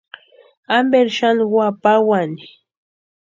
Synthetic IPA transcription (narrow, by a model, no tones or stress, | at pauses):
ambeɾʃanwapawani